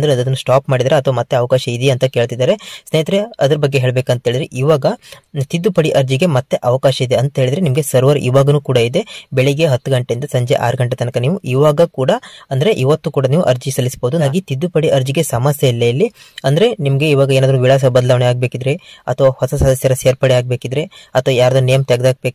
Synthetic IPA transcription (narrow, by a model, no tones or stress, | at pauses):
ɐnd̪ɾeɐd̪ɐd̪ɐnːusʈaːpmaːɽid̪aːɾeɐt̪ʰɐʋɐmɐt̪ːeɐʋɐkaːʃɐid̪eɐnt̪ɐke̞ːɭt̪id̪ːaːɾe̞sneːjɐt̪ɾeɐd̪ɐɾɐbɐɡːeɦeːɭbeːkɐnt̪ɐɦeːɭid̪ɾeʔiːʋaːɡɐt̪id̪ːupɐɽiʔɐɾd͡ʒiɡe̞mɐt̪ːe̞ʔɐʋɐkaːʃɐid̪eɐnt̪ɐɦeːɭid̪ɾenimɐɡesɐɾʋɐɾḭːʋaːɡɐnuːkuːɽɐid̪e̞bɛɭeɡe̞ɦɐt̪ːuɡɐɳʈeind̪ɐsɐɲd͡ʒḛʔa̰ːɾɐɡɐɳʈet̪ɐnɐkɐniːʋuiːʋaːɡɐkuːɽɐɐnd̪ɐɾeʔiʋɐt̪ːuːkuːɽɐniːʋuʔɐɾd͡ʒisɐlːisboːd̪uɡit̪id̪ːupɐɽiʔɐɾd͡ʒiɡe̞sɐmɐsjɐilːɐjɐlːi | ɐnd̪ɐɾe̞nimɐɡe̞iːʋaːɡɐeːnaːd̪ɐɾuʋiɭas̬ɐbɐd̪ɐlaːʋɐɳɛaːɡ̚beːkid̪ɾeɐt̪ʰʋɐhɔsɐsɐd̪ʱɐsjɐɾɐseːɾpɐɽeaːɡ̚be̞ːkid̪ɾeɐt̪ʰɐʋɐjaːɾd̪unejɐmt̪ɐɡed̪aːɡ̚bek